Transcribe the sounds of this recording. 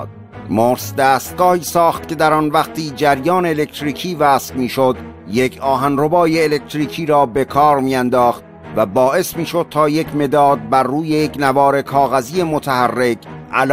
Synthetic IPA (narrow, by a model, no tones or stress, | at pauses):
d̪̚ | moːɾsd̪æːst̪̚ɡɒːhiːsɒːχt̪̚ke̞d̪æɾɒːnvæqt̪ʰiːd͡ʒæɾjɒːneːle̞kt̪ɾiːkʰiːvæːsfmiːʃod̪jecʰɒːɦænrobɒːjeːlek̚t̪ɾiːkʰiːɾɒːbe̞kʰɒːɾmiːænd̪ɒːχt̪ | væbɒːʔe̞smiːʃo̞d̪̥̚t̪ʰɒːjecʰme̞d̪ɒːd̪̚bæɾːuːje̞jecnævɒːɾe̞kʰɒːɣæziːe̞mot̪ʰæhærːe̞kʰʔælː